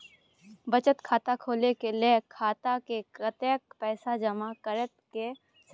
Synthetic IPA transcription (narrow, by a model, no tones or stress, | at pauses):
bət͡ʃət̪kʰaːt̪akʰoːlekelekʰaːt̪akekɾət̪eːk̚pɛːsad͡ʒəmakəɾət̪̚ke | s